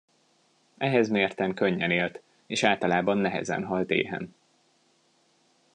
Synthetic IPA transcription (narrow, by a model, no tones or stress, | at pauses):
ɛɦɛzmeːrt̪ɛŋkøɲːɛneːlt̪ | eːʃaːlt̪ɒlaːbɒnːɛɦɛ̰zɛ̰nɦɒlt̪ḛːɦɛ̰n